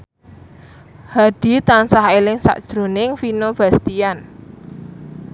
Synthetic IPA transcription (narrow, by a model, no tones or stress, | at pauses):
haɖ̥i̤t̪ansaɦelɪŋsa̰ʔd̥ʒ̥ɾo̤nɪŋfinob̥ä̤st̪ian